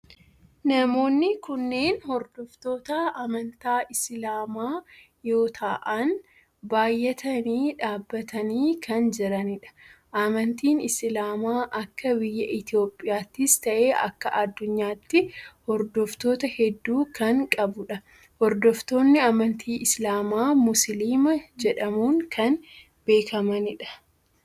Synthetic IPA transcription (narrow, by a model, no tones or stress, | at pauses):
nɐmo̞ːnːɪkʊnːe̞ːnhɔɾd̪ɔft̪o̞ːt̪ɐʔɐmɐnt̪aːʔɪsɪlaːmaː | jo̞ːt̪ʰaːʔɐn | baːjːɛt̪ɐniːᶑaːbːɐt̪ʰɐniːkʰɐnd͡ʒɪɾɐnɪᶑɐ̥ | ʔɐmɐnt̪iːnɪslaːmaːʔɐkːɐbɪjːɐʔɪt̪ɪjo̞ːpʼːɪjaːt̪ːɪst̪ɐʔe̞ːʔɐ̰kːɐʔɐd̪ːʊɲːaːt̪ːɪhɔɾd̪ɔft̪o̞ːt̪ɐhɛd̪ːuːkɐŋkʼɐbʊᶑɐ | hɔɾd̪ɔft̪o̞ːnːɪɐmɐnt̪ʰiːʔɪslaːmaːmʊsliːmɐd͡ʒɛᶑɐmuːŋkʰɐn | b̥e̞ːkʰɐmɐnɪᶑɐ̥